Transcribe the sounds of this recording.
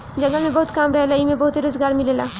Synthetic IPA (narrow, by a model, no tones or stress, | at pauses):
d͡ʒɐɡamẽbɐɦut̪kamɾəɦelaimẽbɐɦut̪eɾozɡaːɾmilela